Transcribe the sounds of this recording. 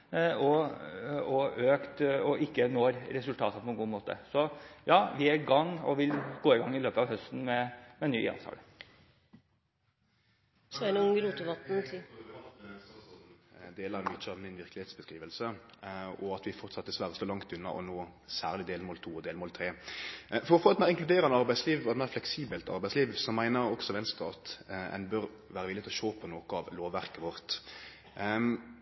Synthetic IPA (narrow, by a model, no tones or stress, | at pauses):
ɔ | ɔøːkt̪ɔʔɪkːənoːɾɾɛsʉlt̪ʰɑːt̪əpʰɔɛnɡuːmoːt̪ə̰sɔjɑːʋɪæɾɡɑŋːɔ̰ʋɪlɡ̥oːɪɡɑŋːɪløːpəɑʋhœst̪n̩mɛmɛny̰ːɛ̰nt̪ʰɑ̰ːlə | snŋɾuːt̪ʊʋɑt̪n̩t̪ʰ | d̪eːləɾɛnmʏt͡ʃːəɑʋmɪnʋɪʁklɪheːt̪sbəskʁiːʋəlsə | ɔɑt̪ʋɪfɔʁt̪sɑt̪̚ːd̪ɛsʋæːɾəst̪oːlɑŋt̪ʉnːɑ̰ʔɔ̰noːsæːʁlɪd̪eːlmoːlt̪ʰuːɔd̪eːlmoːlt̪ʰɾeːfɔʁɔfoːɛt̪mæɪʁɪŋklʉd̪eːʁɑnəɑʁbæɪsliːʋɔɛt̪mæɪʁflɛksiːbəlt̪ɑ̰ʁbæɪsliːʋsɔmæɪnəʁɔksɔʋɛnst̪ɑɑt̪ɛ̰nbœɾ | ʋæːɾəʋɪlːɪt̪ʰlɔʃoːpʰɔnoːkəɑʋloːʋːæʁkəʋɔʁt̪